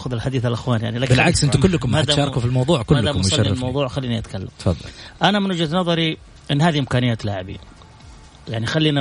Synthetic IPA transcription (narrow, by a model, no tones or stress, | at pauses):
xʊðɪlħad̪iːθalʔɪxwaːnjaʕnilaːkbɪlʕaksʔɪnt̪ʊkʊlːʊkʊmhatd̪aʃɑːɾˤɑkufilmɑwðˤuːʕkʊlaːakmɑlːɪlmɑwðˤuːʕxalːiːniʔat̪kalːa̰mt̪fɑ̰ðˤːʔanamɪnwʊd͡ʒad̪nɑðˤɑɾi | ʔɪnːhaːðiʔɪmkaːnɪjaːt̪laʕɪbḭ | jaʕnixalːiːna